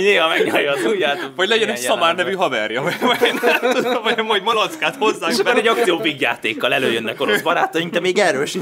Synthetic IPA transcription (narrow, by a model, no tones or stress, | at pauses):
jeːɒmɛɡɲɛjjːɒzujːaːt̪ovɒɟlɛɟɛnɛcsɒmaːrnɛvyɦɒbɛrjɒmɛnɛvɒɟɛmomolɒt̪skaːt̪hozːaːʃoboɾɛɟɒkt̪ioːpiɡja̰ːt̪eːkːɒlɛløːjønːɛko̞obɒɾaːt̪ɒjiŋk̚d̪ɛmeːɡɛɾøːʃ